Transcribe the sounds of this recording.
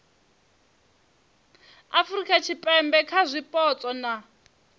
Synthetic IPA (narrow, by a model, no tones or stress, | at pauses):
afrikʼat͡ʃʰipʼɛmbɛkʰazʷipʼɔt͡sʼɔna